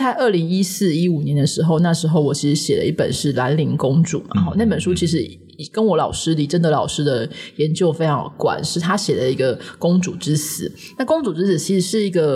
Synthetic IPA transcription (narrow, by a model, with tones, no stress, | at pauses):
t͡sa˥˧ɪə˥˩li˧˥ŋi˥s̩˥˩i˦˥u˨˩njɛ˧˦˥nd̪ə˧ʂɻ̩˧˥xo˥˧ʊna˥˩ʂɻ̩˧˥xo˥˧ʊwɔ˨˩t͡ɕʰi˧˥ʂɻ̩˧˦ɕjɛ˨˩lə̰˦i˥˩pə̰˨˩nʂɻ̩˥˩la˧˥nli˧˥ŋkʊ˥ŋʈ͡ʂṵ˨˩˦ma̰˨˩xɔ˥˦na˥˩ɪpə˨˩nʂu˥t͡ɕʰi˧˥ʂ̬ɻ̩˧˥˨ | kə˥nwɔ˧˥lɑ˨˩ʊʂɻ̩˥li˨˩ʈ͡ʂə˥nd̪ə˨lɑ˨˩ʊʂɻ̩˥d̪ə˨jɛ˧˦nt͡ɕjo˥˩ʊfe˥ɪʈ͡ʂʰɑ˧ŋkwa̰˨˩˦nʂɻ̩˥˩t̪ʰa˥ɕjɛ˨˩lə˦i˧˥ɡə˧kʊ˥ŋt͡su˨˩ʈ͡ʂɻ̩˥s̩˨˩˦ | na˥˩kʊ˥ŋt͡su˨˩ʈ͡ʂɻ̩˥s̩˨˩t͡ɕʰi˧˥ʂɻ̩˧˦ʂɻ̩˥˩i˧˥ɡə˧